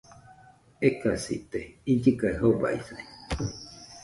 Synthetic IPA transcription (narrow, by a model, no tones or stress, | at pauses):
ekasḭt̪eid͡ʒɨkaeɦoba̰isa